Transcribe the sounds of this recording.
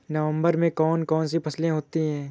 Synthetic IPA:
nɐʋə̃mbəɾmẽkɔːnkɔːnsipʰɐslẽɦoːt̪iɦɛ̃ː

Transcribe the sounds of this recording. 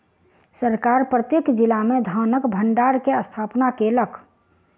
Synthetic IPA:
səɾkaɾpɾət̪jekd͡ʒilamed̪ʱanəkbʱəɳɖaɾkeəst̪ʰapnakeləkʰ

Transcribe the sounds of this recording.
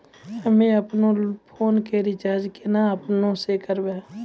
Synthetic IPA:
əmẽəpnõpʰoːnkeɾɪt͡ʃaːɾd͡ʒkenaɐpnõsekəɾbeː

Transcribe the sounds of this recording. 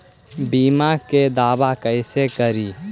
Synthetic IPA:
bimaked̪aːbakəɪsekəɾi

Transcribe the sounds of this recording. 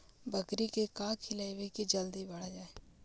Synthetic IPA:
bʱəkɾikekãːkʰilajʋekid͡ʒəld̪ibɐɽ̤ad͡ʒaːeː

